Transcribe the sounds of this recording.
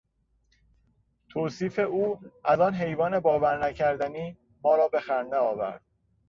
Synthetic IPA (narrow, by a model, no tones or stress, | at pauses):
t̪ʰoːsiːfe̞ʔuːʔæzɒːnɦe̞jvɒːne̞bɒːvæɾnæcʰæɾd̪æniː | mɒːɾɒːbe̞xæɾnd̪eɒːvæ̰ɾd̪̥̚